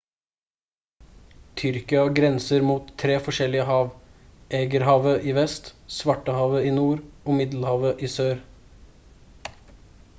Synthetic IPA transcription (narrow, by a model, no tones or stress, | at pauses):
t̪ʰʏɾkɪɑɡɾɛnsəɾmuːt̪ʰːɾeːfɔʂɛlɪəɦɑːʋʔeːɡəɾhɑːʋəʔiːʋɛst̪sʋɑʈəhɑːʋəiːnuːɾoːmɪd̪l̩hɑːʋəʔiːsøːɾ